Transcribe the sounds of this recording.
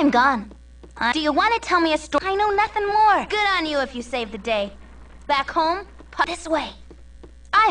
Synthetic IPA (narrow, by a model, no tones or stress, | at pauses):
aɪ̃mɡɔ̃n | ad̥ɨjɨwɑ̃ntɨtʰɛlˠmiɨstɔaɪnoʊnʌθɪ̃ŋmɔɹɡ̥ʊɾn̩jɨɨfjɨseɪvðɨdeɪ | b̥ækhõʊ̃m | pʰʌðɪsweɪ | ʔaɪ